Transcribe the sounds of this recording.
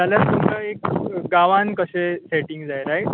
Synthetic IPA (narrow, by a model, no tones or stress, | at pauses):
d͡zaljaɾt̪umkaekɡaʋãnkəɕeseʈiŋɡd͡zajɾaj